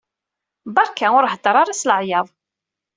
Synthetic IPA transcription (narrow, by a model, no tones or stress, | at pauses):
bəɾkæʊɾɦəd̪əɾˤaɾasləʕjɑðˤ